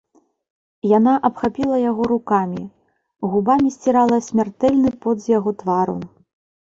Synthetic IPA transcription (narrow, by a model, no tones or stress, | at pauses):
janaʔɐpxapʲilˠɐjaɣɔɾukamʲi | ɣubamʲisʲt͡sʲiɾalˠɐsʲmʲart̪ɛlʲnɨpɔd̪zjaɣɔt̪vaɾṵ